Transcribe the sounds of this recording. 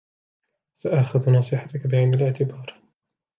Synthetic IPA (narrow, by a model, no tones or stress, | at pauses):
saʔaʔxaðnɑːsˤɨħat̪akabɪʕɪnd̪alɪʕt̪ɪbɑːɾˤ